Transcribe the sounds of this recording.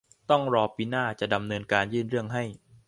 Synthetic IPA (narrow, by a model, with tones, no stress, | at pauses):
t̪ɔ˥˩ŋɾɔː˧piː˧naː˥˩t͡ɕa˨˩ʔda˧mnɤː˧nkaː˧njɯː˥˩nɾɯ˥˩əŋɦa˥˩j